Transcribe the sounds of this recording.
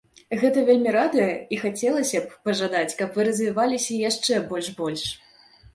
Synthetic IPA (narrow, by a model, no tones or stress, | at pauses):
ɣɛt̪ɐvʲelʲmʲiɾad̪ɨjɐixat͡sʲɛlˠɐsʲɐp̚ːɐʐad̪at͡sʲkɐpvɨɾɐzvʲivalʲisʲɐjaʂt͡ʂɛbɔlʲʂbɔlʲʂ